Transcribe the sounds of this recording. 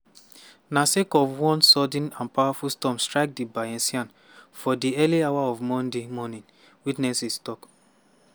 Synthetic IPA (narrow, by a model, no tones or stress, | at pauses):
nasekɔvwɔ̃nsɔd̃nãnpawafustɔ̃mstɹaɪk̚dibaɛ̃nsiãn | fɔdiɛliawaɔvmɔ̃ndemɔnĩn | witnɛsistɔk